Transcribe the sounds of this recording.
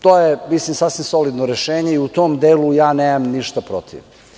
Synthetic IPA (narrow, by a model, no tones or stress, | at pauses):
t̪oːjemislimsasʋimso̞lid̪noɾeʃeːɲe̞iut̪omd̪eːlujaːneːmamniʃt̪apɾot̪ʰḭʋ